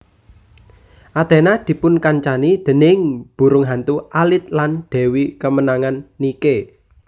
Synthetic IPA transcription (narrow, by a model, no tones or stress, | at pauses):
ʔad̪̥ɛ̤nad̪̥i̤pʊnkaɲt͡ʃanid̪̥ə̤nɪŋb̥ṳɾʊŋɦant̪uʔalɪt̪̚lanɖ̥ɛ̤wikəmənaŋanːike